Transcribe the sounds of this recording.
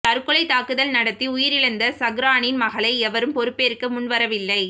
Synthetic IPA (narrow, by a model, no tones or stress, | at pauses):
t̪ɐɾɯkːɯlɐɪt̪ːaːkɯðɐlnɐɽɐt̪ːiʊjɪɾɪɻɯnd̪ɐsɐɣɾaːɳɪnmɐɣɐɭɐɪɛʋɐɾɯmpɔɾɯpːeːɾkːɯmʊnʋɐɾɐʋɪlːɐɪ